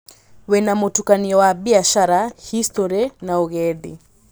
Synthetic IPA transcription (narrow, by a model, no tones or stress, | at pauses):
wɛnamutukaniɔwaɓiaʃaɾahistɔɾɛnauɣɛðḭ